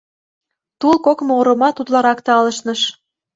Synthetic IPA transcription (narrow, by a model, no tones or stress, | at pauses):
t̪ulˠkokmooɾŏmɑt̪ut̪lɑɾɑkt̪eɑlə̆ʃnɤ̆ʃ